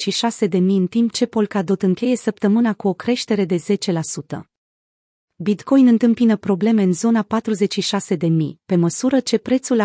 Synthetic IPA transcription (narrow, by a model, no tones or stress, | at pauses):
ʃiʃase̞d̪e̞miɨnt̪imp̚t͡ʃe̞po̞lkad̪o̞t̪ɨŋkʲe̞je̞səp̚t̪əmɨnakuo̞kɾe̞ʃt̪e̞ɾe̞d̪e̞ze̞t͡ʃe̞lasut̪ə̰ | bit̪ko̞jnɨnt̪ɨmpinəpɾo̞ble̞me̞ɨnzo̞napat̪ɾuze̞t͡ʃʲʃiʃase̞d̪e̞mḭpe̞məsuɾət͡ʃe̞pɾe̞t̪sula